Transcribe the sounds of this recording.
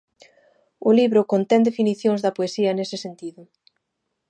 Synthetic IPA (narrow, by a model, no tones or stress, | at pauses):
ʊliβɾʊkont̪ɛnd̪efiniθjoŋzðɐpoesiɐnesɪsent̪iðʊ